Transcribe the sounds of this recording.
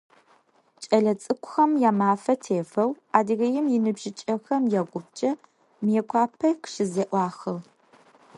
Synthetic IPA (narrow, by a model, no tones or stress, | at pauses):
t͡ʃʼɐɮɐt͡sʼɨkʷʰʼʊxɐmjaːmaːfɐtʰeːfɐw | aːdɨɣɐjɪmjɪnɨbʒɪt͡ʃʼɐxɐmjɛɡʷʊp̚t͡ʃʼɐ | mjeːkʷʰɑːpʰɐkʃɪzɐʔʷɑːxɨʁ